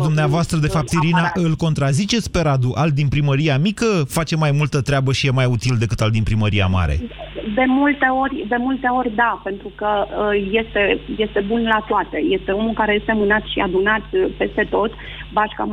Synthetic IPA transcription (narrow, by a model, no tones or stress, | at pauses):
d̪umneavoast̪ɾəd̪e̞fap̚t̪iɾinaʔɨlko̞nt̪ɾazit͡ʃe̞t̪sʲpe̞ɾad̪uʔald̪inpɾiməɾiamikəfat͡ʃe̞majmult̪ət̪ɾʲeabəʃijemajut̪ild̪e̞kɨt̪ald̪inpɾiməɾia̰ma̰ɾḛd̪e̞mult̪e̞o̞rʲd̪e̞mult̪e̞o̞ɾʲd̪ape̞nt̪ɾukəje̞st̪e̞je̞st̪e̞bunlat̪oat̪e̞je̞st̪e̞o̞mulkaɾeje̞st̪emɨnat̪ʃia̰d̪unat̪pe̞st̪e̞t̪o̞t̪ | baʃka̰